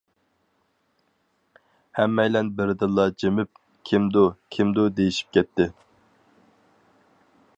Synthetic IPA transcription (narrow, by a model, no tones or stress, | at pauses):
hɛmːɛjlɛnbɪɾd̪ɨlˠːɑd͡ʒemɪp̚ | kʲʰimd̪ʊkʲʰimd̪ud̪ejiʃi̥p̚kʲɛt̪ːɪ